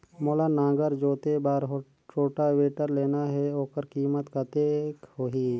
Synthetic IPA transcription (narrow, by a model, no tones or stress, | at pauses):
moːlanãːɡəɾd͡ʒoːt̪ebaːɾɦ | ʈoːʈaweːʈəɾleːnaɦɛoːkəɾkiːmət̪kat̪eːkɦoɦiː